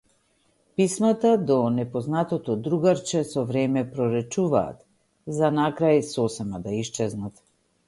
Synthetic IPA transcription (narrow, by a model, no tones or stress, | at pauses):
pismat̪ad̪ɔnɛpɔznat̪ɔt̪ɔd̪ɾuɡaɾt͡ʃɛsɔvɾɛmɛpɾɔɾɛt͡ʃuva̰ːt̪ | zanakɾajsɔsɛmad̪aiʃt͡ʃɛznat̪